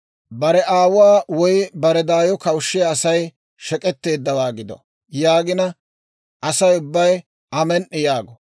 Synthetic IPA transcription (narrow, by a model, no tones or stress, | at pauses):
bɐɾɛʔaːwʊwaːwɔjbɐɾɛd̪aːjɔkɐwʃːɛːsɐj | ʃɛkʼɛt̪ːe̞ːd̪ːɐwaːɡɪd̪ɔ̰ | jaːɡɪnɐ | ʔɐsɐjʊbːɐj | ɐmɛnʔːɪjaːɡɔ